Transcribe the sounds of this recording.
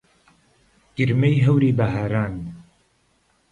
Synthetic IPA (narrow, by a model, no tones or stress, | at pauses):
ɡ̥ɨɾmejɦɐwɾiːbɐɦaːɾaːn